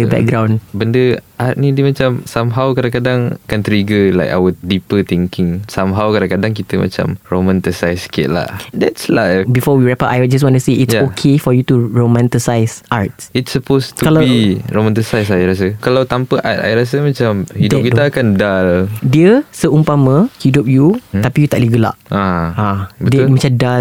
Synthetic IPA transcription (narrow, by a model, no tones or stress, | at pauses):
əbɛ̰k̚ɡɾãw̃nbəndəʔat̪̚nĩdimat͡ʃamsamɦawkadãŋkadaŋakant̪ɾiɡəla̰jka̰wət̚dipət̪iŋkɪŋsamɦawkadãŋkadaŋk̬it̪əmʔa̰t͡ʃa̰mromɛ̃nt̪isajskɪ̰ʔ̚la̰hdɛtslajfbifɔwiɹɛpaʔaj̚d͡ʒas̬wɔ̃ntuseʔisaokʰefɔjutuɹomɛ̃nt̪isajsʔat̚itsəpost̪ukalaiɹomɛ̃nt̪isajsaiɾas̬əkalawt̪ampəʔa̰t̪a̰iɾas̬əmat͡ʃamhidʊkit̪əakandaldiəsəumpamə̃hidup̚jut̪apijut̪a̰ʔliɡəla̰ʔaãbətdmat͡ʃamda